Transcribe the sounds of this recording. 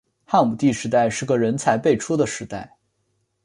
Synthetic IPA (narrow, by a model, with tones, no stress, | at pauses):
xa˥˩nmu˨˩t̪i˥˩ʂɻ̩˧˥t̪a˥˧ɪʂɻ̩˥˩ɡə˩ɻə˧˥nt͡sʰa˧˥ɪpe˥˩ɪʈ͡ʂʰu˥d̪ə˨ʂɻ̩˧˥t̪a˥˩ɪ